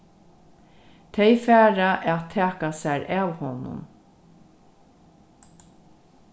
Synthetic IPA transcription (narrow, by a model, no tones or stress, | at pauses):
t̪ʰɛjfæːɾaʔɛt̪ʰɛːkasæɾæːwhɔnʊ̰n